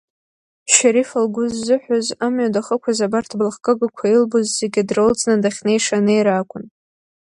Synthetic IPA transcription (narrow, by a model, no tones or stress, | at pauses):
ʃaɾifalɡʷʊzːɨħʷᶣozamɥadaχəkʷʰazabartʰblχkʼɨɡakʷʰailbozz̥eɡʲadrɨlt͡sʼnadaχʲnejʂanejɾakʷʼʊn